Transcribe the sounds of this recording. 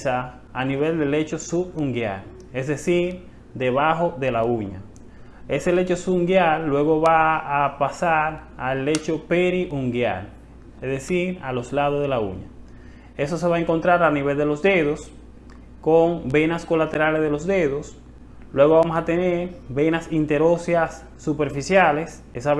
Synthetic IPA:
saː | niβe̞ld̪e̞le̞t͡ʃo̞suβuŋɡja̰l | es̬ðe̞siɾ | d̪eβaxo̞ðe̞lauɲa̰ | e̞se̞le̞t͡ʃo̞suŋɡjalːwe̞ɣo̞βaːpasaɾalːe̞t͡ʃo̞peɾiʔuŋɡja̰l | esðesiɾalo̞slaðozðelaṵɲa̰ | e̞so̞s̬e̞βaeŋko̞nt̪ɾaɾalniβe̞ld̪e̞lo̞sd̪e̞ðo̞s | koŋbe̞nasko̞lat̪e̞ɾalesðelo̞szd̪e̞ðo̞s | lwe̞ɣo̞βamosat̪e̞ne̞ɾbe̞nasint̪e̞ɾosjasː | upe̞ɾfisjale̞s | esa

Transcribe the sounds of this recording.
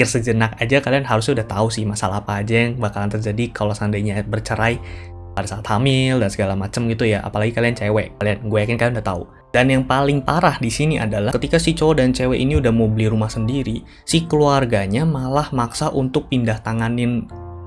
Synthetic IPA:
ɪrsəd͡ʒənak̚ad͡ʒakalianɦaɾus̬ɲaudaht̪ausɪhmasalapaːd͡ʒɛŋbakalant̪ərd͡ʒadikalosandajɲabərt͡ʃəɾaj | padasaːt̪hamɪldansəɡalamat͡ʃəmɡit̪ujaʔa̰palaɡikaliant͡ʃewɛkalianɡuajakɪnkalianudaht̪aṵ | d̥anjaŋpalɪŋpaɾahdisiniʔa̰dalakət̪ikasɪt͡ʃodant͡ʃewɛʔiniudahmobəliɾumahsəndiɾi | sɪhkəluarɡaɲamalahmaksaʔunt̪ʊk̚pindaht̪aŋanɪn

